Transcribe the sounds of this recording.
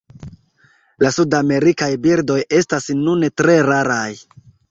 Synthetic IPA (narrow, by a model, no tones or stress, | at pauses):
lasudame̞ɾikajbiɾdo̞je̞stasnuntɾe̞ɾaɾaj